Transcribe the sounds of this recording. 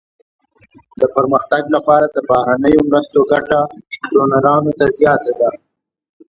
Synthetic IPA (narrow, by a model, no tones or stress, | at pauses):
d̪əpəɾməxt̪aɡlapɑɾad̪əbɑhɾanəjomɾəst̪oɡaʈakɾonaɾɑnot̪azjɑt̪ad̪a